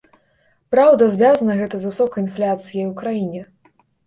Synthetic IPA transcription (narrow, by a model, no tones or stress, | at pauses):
pɾawd̪ɐzʲvʲazɐnɐɣɛt̪ɐzvɨsɔkɐjinflʲat̪sɨjɐjukɾajinʲɛ